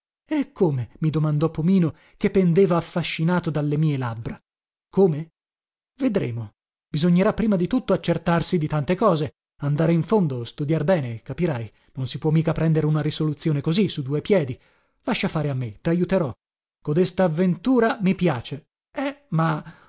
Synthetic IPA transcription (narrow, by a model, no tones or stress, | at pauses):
ekʰːoːmemid̪omand̪ɔpːomiːno | kepːend̪eːvaːfːaʃːinaːt̪od̪alːemiːelabɾa | koːme | ved̪ɾḛːmo | b̥izoɲːeɾapːɾiːmad̪it̪ut̪ːoat͡ʃːert̪arsid̪it̪ant̪ekɔːze | and̪aːɾeiɱfond̪ost̪ud̪jarbɛːnekapiɾaj | nonsipwɔmːiːkapɾɛnd̪eɾeunaɾisolut̪sːjoːnekozisud̪uːepjɛːd̪i | laʃːafaːɾeamːet̪ajut̪eɾɔ | kod̪est̪aːvːent̪uːɾamipjaːt͡ʃe | ɛma